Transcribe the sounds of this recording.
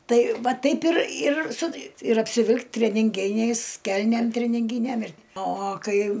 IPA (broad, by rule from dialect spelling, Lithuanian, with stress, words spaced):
ˈtɐɪ ˈʋɐ ˈtɐɪp ɪr ɪr sʊ ɪr ɐpʲsʲɪˈʋʲɪlʲkʲ tʲrʲɛnʲɪŋʲˈɡʲɪnʲɛɪs ˈkʲɛlʲnʲeːm tʲrʲɛnʲɪŋʲˈɡʲiːnʲɛm ɪr oː oː ˈkɐɪ